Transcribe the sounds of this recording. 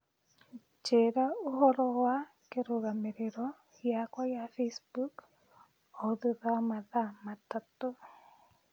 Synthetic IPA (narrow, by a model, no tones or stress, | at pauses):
t͡ʃeɾaoɦɔɾɔwa | keɾoɣameɾeɾɔ | jakwajafesbuk | oðeðamaðamatato